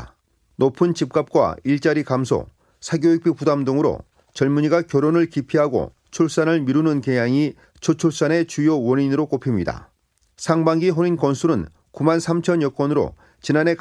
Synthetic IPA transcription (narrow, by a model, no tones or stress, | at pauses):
nopʰɯnt͡ɕip̚k͈ap̚k͈wa̰iɭt͡ɕ͈aɾikamsʰo̰ | sʰaɡjoik̚p͈ʰipudamdoŋɯɾo̰ | t͡ɕʌɭmuɲiɡakjʌɾonɯɭkipʰiɦaɡo̰ | t͡ɕʰuɭs͈anɯɭmiɾunɯnkejaŋi | t͡ɕʰot͡ɕʰuɭs͈ane̞t͡ɕujowʌɲinɯɾok͈opʰimɲida̰ | sʰaŋbaŋɡiɦoɾinkʌnsʰuɾɯn | kumansʰamt͡ɕʰʌnjʌk͈wʌnɯɾo̰ | t͡ɕinane̞k